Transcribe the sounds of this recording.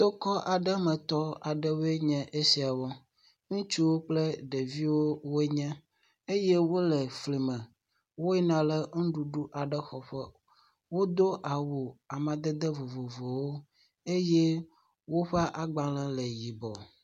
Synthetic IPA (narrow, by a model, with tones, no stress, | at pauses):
t̪o˦kɔ˦ʔa˨ɖə˦mɛ̃˨t̪ɔ˦a˨ɖə˦we˦ɲɛ̃˦ʔe˦si˦a˨wɔ˦ | ŋũ˦t͡ʃu˦wo˦k͡ple˦ɖe˨vi˦wo˦wo˦ɲɛ̃˦ | e˦je˦wo˦lɛ˨fli˨mɛ̃˨ | wo˦ɛ˦nã˨lə˦ŋ̩˦ɖu˨ɖu˦ʔa˨ɖə˦xɔ˨ɸɛ˦ | wo˦d̪o˦ʔa˨wo˨a˨mã˨d̪ɛ˦d̪ɛ˦vo˨vo˨vo˨wo˦ | e˦jɛ˦ | wo˦ɸa˦ʔa˦ɡ͡ba˦lɛ˦lə˨ji˨bɔ˨